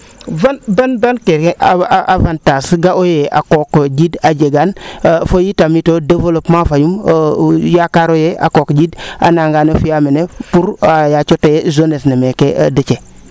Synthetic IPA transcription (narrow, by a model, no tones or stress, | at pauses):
vanbanbankeɾkeʔaavantasɡaojeʔa̰kokd͡ʒidad͡ʒeɡanfojitamitodevolopmafajum | jakaɾojea̰kokɟida̰naŋɡaːnofijamenepuɾajat͡ʃotejezonesnemekḛdet͡ʃe